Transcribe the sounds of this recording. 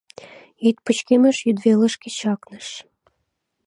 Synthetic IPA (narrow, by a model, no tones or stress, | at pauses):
it̪̚pə̆t͡ɕkemĕʃjyd̪velə̆ʃkĕt͡ɕɑknə̆ʃ